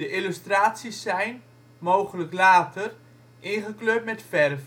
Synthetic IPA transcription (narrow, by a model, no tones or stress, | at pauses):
dəʔɪlystraːtsisːɛjn | mowχələklaːtʰər | ʔɪnχəkløːt̚mɛtfɛrv